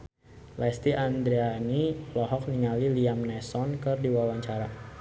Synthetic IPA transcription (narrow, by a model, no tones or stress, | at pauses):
lɛst̪iʔand̪ɾeanilɔɦɔk̚niŋaliliamnɛsɔnkɨrdiwawaɲt͡ʃaɾa